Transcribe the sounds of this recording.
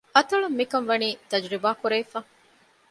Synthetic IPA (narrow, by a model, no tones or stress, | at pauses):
ɐt̪ɐɭɐmːikɐnʋɐniːt̪ɐd͡ʒɾibaːkuɾejfɐ